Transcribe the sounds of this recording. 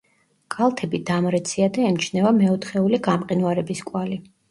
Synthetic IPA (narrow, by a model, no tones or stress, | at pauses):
kʼalˠt̪ʰɛbid̪amɾɛt̪sʰiad̪aɛmt͡ʃʰnɛvamɛɔt̪χɛuliɡamqʼinvwaɾɛbiskʼwali